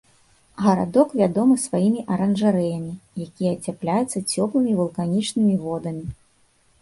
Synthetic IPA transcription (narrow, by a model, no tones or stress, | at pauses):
ɣɐɾa̰d̪ɔkvʲad̪ɔmɨsvajimʲiʔɐɾɐnʐaɾɛjɐmʲijakʲijɛːt͡sʲaplʲajut̪sːɐt͡sʲɔplˠɨmʲivɐlˠkanʲit͡ʂnɨmʲivɔd̪ɐmʲi